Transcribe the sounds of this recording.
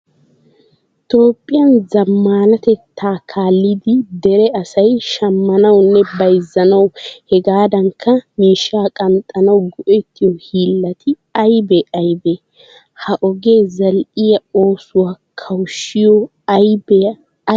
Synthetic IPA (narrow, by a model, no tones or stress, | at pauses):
t̪o̞ːpʼːɪjɐnzɐmːaːnɐt̪ɛt̪ːaːkʰaːlːɪd̪ɪd̪ɛɾɛɐsɐjʃɐmːɐnɐwnːɛbɐjzːɐnɐwhɛɡaːd̪ɐŋkʰːɐmiːʃːaːkʼɐnt̪ʼːɐnɐwɡɔʔɛt̪ʰːɪjɔhiːlːɐt̪ʰɪ | ɐjbɛʔɐjbe | hɐʔɔɡe̞ːzɐlʔɪjɐo̞ːsʊwaːkʰɐwʃːɪjɔ | ɐjbɛ